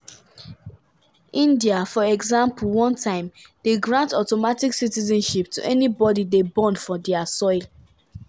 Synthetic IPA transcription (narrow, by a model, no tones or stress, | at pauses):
ʔĩndiafɔɛɡzãmpulˠwɔ̃ntʰãɪ̃md̥eɡɹãntɔtomatiksitizɔ̃nʃip̚tʰṵʔɛnibɔdidebɔ̃ndfɔdɛasɔɪl